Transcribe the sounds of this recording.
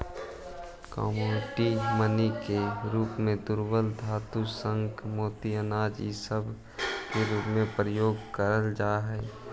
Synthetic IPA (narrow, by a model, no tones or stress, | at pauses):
kɔ̰moːʈimənikeɾuːpmẽd̪ʊɾwəld̪ʱaːt̪usə̃ŋɡmoːt̪iənaːd͡ʒisəb | keɾuːpmẽpɾəjoːɡkəɾəld͡ʒaːɦɛː